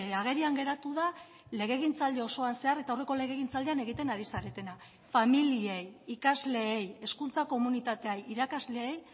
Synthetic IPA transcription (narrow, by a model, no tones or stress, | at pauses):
aɣ̞e̞ɾiaŋɡe̞ɾat̪uð̞a | le̞ɣ̞e̞ɣ̞int͡sald̪e̞o̞so̞anse̞aɾe̞t̪aore̞kole̞ɣ̞e̞ɣ̞int͡sald̪eane̞ɣ̞it̪e̞naɾisaɾe̞t̪e̞na | familie̞jikazle̞ːje̞skunt͡sako̞munit̪at̪e̞ajiɾakazle̞ej